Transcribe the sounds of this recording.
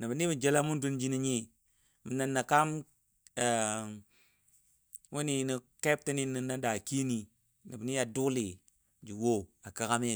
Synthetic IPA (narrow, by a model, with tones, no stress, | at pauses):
na˨bi˨ni˦mi˨d͡ʒe˦la˦mu˦ndu˦nd͡ʒi˦ni˦ɲi˦ | mi˨na˨nːa˨ka˦m˨ | wu˦ni˦ni˨ke˦p̚ti˦ni˦ni˨na˦da˨ki˦ni˨ | ni˨bni˦a˨du˦li˨ | d͡ʒi˨wo˦a˨ka˦ka˦m˦˨